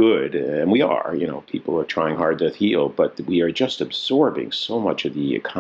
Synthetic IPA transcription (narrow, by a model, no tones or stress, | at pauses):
ʊdɨ̃nwiə̰˞jɨñoʊpʰipl̩ˠə˞tʰɹ̥aɪɪ̃ŋɦɑɹd̪̚tɨhilˠb̥ʌt̚wiə˞d͡ʒʌstɨbz̥ɔɹbɪ̰̃ŋsoʊmʌt͡ʃʌvðiɨ̰kʰɑ